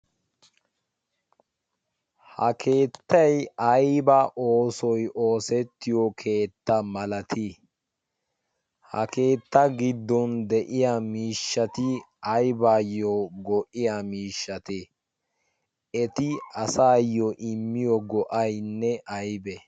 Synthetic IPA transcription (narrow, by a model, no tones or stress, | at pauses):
hɐkʰe̞ːt̪ːɐjɐjbɐʔoːsɔjʔo̞ːsɛt̪ːɪjɔkʰe̞ːt̪ːɐmɐlɐt̪ʰi | hɐ̰ke̞ːt̪ːɐɡɪd̪ːɔnd̪ɛʔɪjamiːʃːɐt̪ɪ | ɐjbaːjːɔɡɔʔɪjamiːʃːɐt̪e | ɛt̪ɪɐsaːjːɔʔɪmːɪjɔɡɔʔɐjnːɛʔɐjbɛ